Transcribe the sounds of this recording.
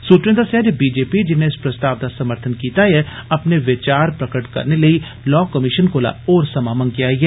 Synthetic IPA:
suːt̪ɾj̃d̪asɛːd͡ʒbiːd͡ʒeːpid͡ʒɪneɪspɾəst̪aːʋd̪asɐməɾt̪ʰənkiːt̪ajɛɐpneʋɪt͡ʃaːɾpɾəkəʈkɐ̰ɾneləi | lɔːkəmɪʃənkoːla̰oːɾsɐmaːmənkɪaːiɦɛː

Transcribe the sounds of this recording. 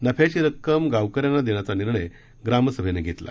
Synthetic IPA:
nəpʰjat͡ɕiːɾəkːəmɡaʋkəɾjanːad̪eɽ̃at͡saniɾɳəj | ɡɾaməsəbʱeneɡʱet̪la̰

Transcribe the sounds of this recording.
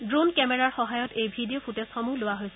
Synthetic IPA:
dɹonkɛmɛɹaɹxɔɦajɔtejbʱidijopʰutɛsxɔmulowaɦojsɛ

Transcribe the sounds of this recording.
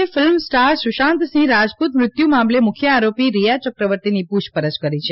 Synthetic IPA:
efɪlmsʈaɾsuʃãnt̪sĩɾad͡ʒput̪mɾɪt̪jumamlemʊkʰjəaɾopiɾijat͡ʃɔkɾəʋəɾt̪inipuʃpəɾəd͡ʒkəɾit͡ʃʰe

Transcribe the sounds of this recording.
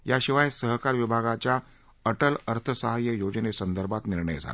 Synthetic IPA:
jaɕiʋajsəɦkaɾʋibʱaɡat͡ɕja | əʈələɾt̪ʰəsəɦajːəjod͡znesənd̪əɾbʱat̪niɾɳəjd͡zʱa̰la

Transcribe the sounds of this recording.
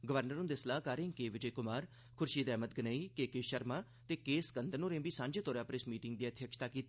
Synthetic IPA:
ɡəʋəɾnəɾũnd̪eslaːkaːɾeːŋkeːʋɪd͡ʒəekʊmaːɾ | kʰʊɾʃiːd̪ɛːmət̪̚ɡənaːiːkeːkeːʃəɾmaː | t̪eːkeːskənd̪ənõːɾẽːbiːsãːɲd͡ʒeːt̪oːɾaːpəɾɪsmiːʈɪŋɡd̪iːət̪ʰjəkʃt̪aːkiːt̪ː

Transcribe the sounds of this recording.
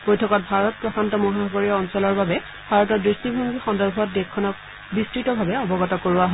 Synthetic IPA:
bojtʰɔkɔt̚bʱaɹɔt̚pɹɔkʰantɔmɔɦabʱɔɡoɹiɔnsɔlɔɹbabɛ | bʱaɹɔtɔdɹistibʱuŋɡixɔndɔɹbʱɔt̚dɛkʰːɔnɔk | bistɹitɔbʱabɛɔbɔɡɔtɔkoɹuaɦɔ

